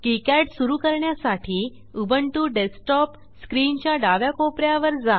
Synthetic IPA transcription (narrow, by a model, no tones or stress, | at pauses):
kikɛʈsuɾukəɾɳjasaʈʰiː | ubəɳʈuːɖesʈɔp | skɾint͡ɕjaɖaʋjakopɾjaʋəɾd͡za